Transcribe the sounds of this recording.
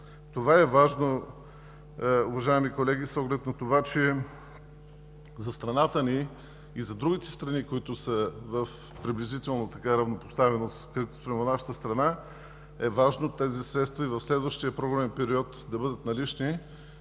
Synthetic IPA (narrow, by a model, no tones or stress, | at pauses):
t̪ovaɛvaʒno | ʊvɐʒaɛmikolɛɡisɔɡlɛt̪nɐt̪ovat͡ʃɛ | zɐst̪ɾɐnat̪əniː | zɐd̪ɾuɡ̟ʲit̪ɛ̥st̪ɾɐnikoit̪ʊsəvɐf | pɾiblizit̪ɛlˠnot̪ɐkaɾɐvnopo̥st̪avɛnoskaspɾɛmonaʃə̥t̪əst̪ɾɐna | ɛvaʒnot̪ɛzisɾɛt̪st̪vɐivɐfslɛd̪vəʃt̪iəpɾoɡɾɛnpɛɾiɔt̪d̪ɐbɤd̪ət̪nɐlit͡ʃni